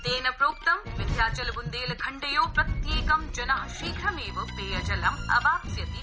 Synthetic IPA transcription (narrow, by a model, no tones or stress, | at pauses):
t̪eːnɐpɾoːk̚t̪ɐmʋɪd̪ʱjaːt͡ʃɐlbund̪eːlkʰɐɳɖɐjoːpɾɐt̪jeːkɐmd͡ʒɐnɐɦɐʃiːɡʱɾɐmeːʋɐpeːɐd͡ʒɐlɐmɐ̰baːpsjɐt̪i